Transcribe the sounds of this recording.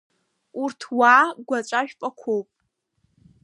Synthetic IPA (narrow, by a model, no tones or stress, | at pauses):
urtʰwaːɡʷat͡ʃʷʼaʒᶣpʼakʷʰowpʼ